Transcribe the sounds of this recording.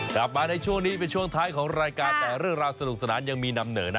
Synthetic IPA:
kla˨˩p̚maː˧na˧jt͡ɕʰu˥˩əŋniː˦˥p̬e˧nt͡ɕʰu˥˩əŋt̪ʰaː˦˥jkʰɔː˩˦ŋɾaː˧jkaː˧nt̪ɛː˨˩ɾɯ˥˩əŋɾaː˧wsa˧nu˨˩k̚sa˧naː˩˦nja˧ŋmiː˧na˧mnɤː˩˦na˥˩

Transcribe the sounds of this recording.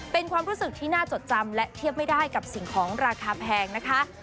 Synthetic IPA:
pe˧nkʰwaː˧mɾuː˦˥sɯ˨˩k̚t̪ʰiː˥˩naː˥˩t͡ɕo˨˩t̪̚t͡ɕa˧mlɛ˦˥t̪ʰi˥˩əp̚ma˥˩jdaː˥˩jka˨˩p̚si˨˩ŋkʰɔː˩˦ŋɾaː˧kʰaː˧pʰɛː˧ŋna˦˥kʰa˦˥

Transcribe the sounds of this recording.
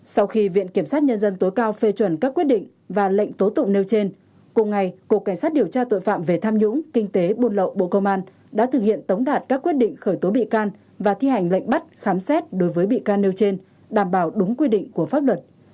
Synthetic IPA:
sa˧wxi˧vḭ˧˨ənki˧˩əmsaː˦˥t̚ɲə˧nzə˧nt̪o˨˦jkaː˧wfe˧t͡ɕwə˧˩nkaː˦˥kːwt̚ɗḭ˧˨ŋ̟ | vaː˨˩lə̰˧˨jŋ̟t̪o˨˦t̪ʊ̰˧˨ŋ͡mne˧wt͡ɕe˧n | kʊ˨˩ŋ͡mŋa˨˩jku˨˩kːa˧˩ŋsaː˦˥t̚ɗi˨˩əwt͡ɕaː˧t̪o̰˧˨jfa̰ː˧˨mve˨˩t̪ʰaː˧mɲʊ̰˧˥ŋ͡mkï˧ŋ̟t̪e˨˦ɓo˧nlə̰˧˨wɓo̰˧˨kə˧wŋ͡mʔaː˧n | ɗa̰ː˧˥t̪ʰɨ˨˩k̚hḭ˧˨ənt̪ə˨˦wŋ͡mɗaː˨˩t̚kaː˦˥kːwi˦˥ət̚ɗḭ˧˨ŋ̟xəː˧˩jt̪o˨˦ɓḭ˧˨kaː˧n | vaː˨˩t̪ʰi˧ha˨˩jŋ̟lə̰˧˨jŋ̟ɓa˦˥t̚xaː˨˦msɛ˦˥t̚ɗo˨˦jvəː˨˦jɓḭ˧˨kaː˧nːe˧wt͡ɕe˧n | ɗaː˧˩mɓaː˧˩wɗʊ˨˦ŋ͡mkwi˧ɗḭ̈˧˨ŋ̟ku˧˩əfaː˦˥p̚lwə˨˩t̚

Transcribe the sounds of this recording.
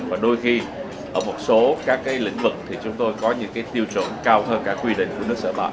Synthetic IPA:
vaː˨˩ɗo˧jxi˧ | ʔəː˧˩mo˨˩t̚so˨˦kaː˦˥kːaː˨˦jlḭ̈˧˥ŋ̟vɨ˨˩k̚t̪ʰi˨˩t͡ɕʊ˨˦ŋ͡mt̪o˧jkɔ˨˦ɲɨ̰˧˥ŋkaː˨˦jt̪i˧əwt͡ɕə̰˧˩nkaː˧whəː˧nkaː˦˥kːwi˧ɗḭ̈˧˨ŋ̟ku˧˩ənɨ˦˥ək̚səː˧˩ɓa̰ː˧˨

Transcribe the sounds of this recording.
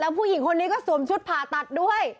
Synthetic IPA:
ɛː˦˥wpʰuː˥˩ji˨˩˦ŋkʰo˧nːiː˦˥kɔː˥˩su˨˩˦mt͡ɕʰu˦˥t̪̚pʰaː˨˩t̪a˨˩t̪̚du˥˩əj

